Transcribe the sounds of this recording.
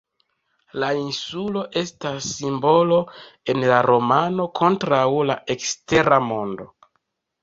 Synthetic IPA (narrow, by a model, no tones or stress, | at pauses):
lainsulo̞ʔe̞stasːimbo̞lo̞e̞nlaɾo̞mano̞kʰo̞ntɾawla̰ʔe̞kste̞ɾamo̞ndo̞̰